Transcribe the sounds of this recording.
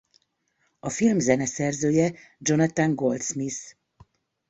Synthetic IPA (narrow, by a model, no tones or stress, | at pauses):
ɒfilmzɛnɛsɛrzøːjɛ | d͡ʒo̞nɑt̪aŋɡo̞lt̪smis